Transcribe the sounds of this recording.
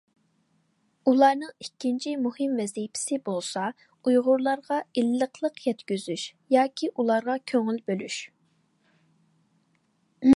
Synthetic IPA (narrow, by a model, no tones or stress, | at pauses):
ulˠɑɾnɨŋikʲːint͡ʃʰimuhɨmvɛzijpʰɪ̥sɪbolˠsɑ | ujʁʊɾlˠɑɾʁɑilːəqʰlˠəqjɛt̪kʲyzyʃjɑːkʲʰiʔulˠɑɾʁɑkʲʰøŋylbølyʃ | m